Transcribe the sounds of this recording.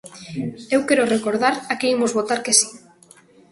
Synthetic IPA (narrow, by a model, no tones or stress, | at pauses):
ewkeɾorekoɾðaɾakeimozβot̪aɾkesi̥